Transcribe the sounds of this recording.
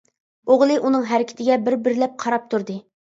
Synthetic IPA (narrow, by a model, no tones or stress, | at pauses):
oʁlˠɨʔunɨŋɦæɾɪkʲʰɪ̥t̪ʰɪɡʲɛbɪɾbɪɾɪlɛp̚qʰɑɾɑp̚t̪ʰuɾd̪ɨ